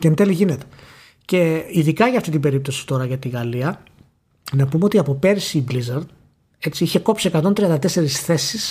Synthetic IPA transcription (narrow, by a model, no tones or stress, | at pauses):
cent̪eliʝinet̪e | ce̞iðikɐʝɐːft̪it̪ibe̞ɾip̚t̪o̞si̥t̪o̞ɾɐʝɐt̪iɣɐliɐ | nɐpumeo̞t̪iɐpo̞pe̞ɾisiːblizɐɾd̪ | e̞t͡siiçe̞ko̞psiekɐt̪o̞nt̪ɾiɐnd̪ɐt̪e̞se̞ɾisθe̞sis